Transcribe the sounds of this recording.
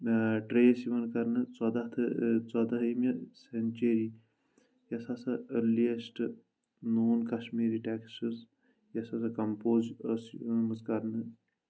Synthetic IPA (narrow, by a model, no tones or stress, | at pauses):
ʈɾejsiʋɐnkɐɾnɨt͡sɐd̪aɦt̪ʰɨt͡sad̪ɐɦimɐsɐnʲt͡ʃeɾi | jɐsasɐəliɐsʈɨ | noːnkɐʃmiːɾiʈeːksɨz | jɐsɐsɐkɐmpoːzsmɨzkɐɾnɨ